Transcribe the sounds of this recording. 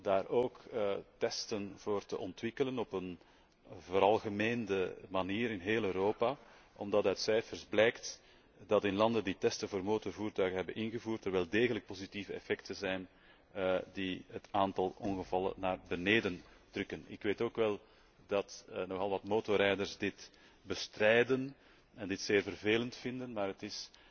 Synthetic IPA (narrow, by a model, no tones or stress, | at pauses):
daːɾoːktɛstənv̥oːrtə̰ʔɔntʋɪkələnɔpən | voːɾɑlˠɣəmeːndəmaniːɾɪnɦeːløːɾoːpa | ʔɔ̰mdɑtœːtsɛjfərzblɛjkt | d̥ɑtɪnlɑndənditɛstənvoːrmoːtɔrvuːrtœɥɣənɦɛbənɪnɣəvuːrtərʋɛlˠdeːɣələk̚pozitivəɛ̰fɛktənzɛjn | diɦətaːntɑlˠɔnɣəvɑlˠə̰naːrbəneːdəntrʏkənɪ̰kʋeːtoːkʋɛlˠ | d̥ɑtnɔxɑlˠʋɑtmoːtɔrɛjdərzdɪt | bəstrɛjdən | ɛndɪtseːrvərveːləntfɪndənmaːɾətɪs